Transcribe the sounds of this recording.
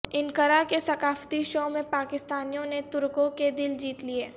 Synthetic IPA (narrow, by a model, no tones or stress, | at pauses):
ɪnkəɾakesɐkaːft̪iʃoːmẽpaːkɪst̪aːnijõnet̪ʊɾkõked̪ɪld͡ʒiːt̪lieː